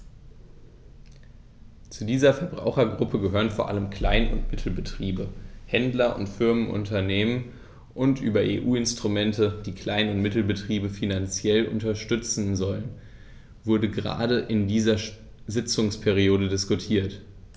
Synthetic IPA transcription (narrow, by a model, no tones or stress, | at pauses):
t͡sudiːzɐfɛɐbʁa̰ʊxɐɡʁʊpʰəɡəɦøːʁənfoːɐʔa̰ləmkʰl̥aɪnʊ̰ntmɪtʰl̩bətʁ̥iːbəhɛndlɐʔʊ̰ntfɪɐmənʔʊ̰ntɐneːmən | ʔʊntʔyːbɐʔeːʔuːɪnstʁ̥ʊmɛntəd̥iːkʰl̥aɪnʊntmɪtl̩bətʁ̥iːbəfinant͡sjɛlʔʊ̰ntɐʃtʏt͡sn̩zɔlən | v̥ʊɐdəɡəʁa̰ːdəʔɪndiːzɐ | zɪt͡sʊŋspʰɛʁ̞ioːdədɪskʊtʰiːɐt